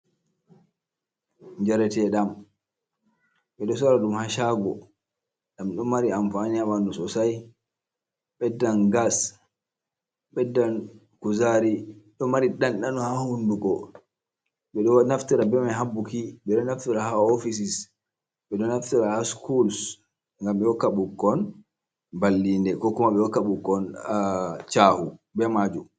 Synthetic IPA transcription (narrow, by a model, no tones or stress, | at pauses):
ɲd͡ʒaɾɛtɛɗam | ɓɛɗɔs̬ɔɾaɗumhaʃaɡɔ | ɗamɗɔmaɾiamfanijamanɔsɔsaj | ɓɛdːanɡas | ɓɛdːan | kuzaɾiɗɔmaɾiɗanɗanɔhahunduɡɔ | ɓɛɗɔnaftiɾabɛmaɦabːukiɓɛɗɔnaftiɾahaɔfis̬is | ɓɛɗɔnaftiɾahaskuls | ŋɡamɓɛwɔkːaɓukːɔn | balːindɛkɔkːumaɓɛwɔkːaɓukːɔn | t͡ʃaːhubɛmad͡ʒu